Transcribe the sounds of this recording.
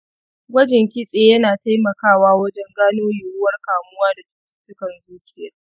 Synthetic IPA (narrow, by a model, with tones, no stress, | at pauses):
ɡʷɐ˦d͡ʒɪ˨ŋkʲɪ˦sʼeː˨jɐ˦naː˨ta˦jmɐ˨kaː˦˨waː˦wɐ˦d͡ʒɛ˦ŋɡaː˦noː˦jʊ˨wʊ˦wɐ˦rkaː˨mʊ˦waː˦da˨tɪ̥˦tɪ̥˦tːʊ˦kɐ˨nzuː˦kʲɪ˦˨jɐ˦r